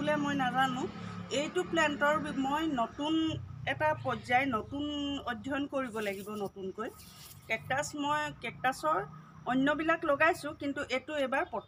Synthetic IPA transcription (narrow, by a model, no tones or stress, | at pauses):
ulɛmojnazanʊ̃ejtuʊplɛntɔɹbmojnotunɛtapɔzajnotunɔdʱːɔnkoɹibɔlaɡibɔnotunkoj | kɛk̚tasmojkɛk̚tasɔɹ | ɔnːjɔbilakloɡajsʊ̃kintuʔetʊejbaɹpɔt